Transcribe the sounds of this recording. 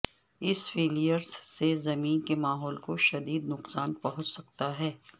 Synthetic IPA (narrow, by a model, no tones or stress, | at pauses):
ɪsfeːlijəɾz̥sezɐmiːnkemaːɦɔːlkoʃɐd̪iːd̪nʊqsaːnpɐɦʊ̃t͡ʃsɐk̚t̪aɦɛː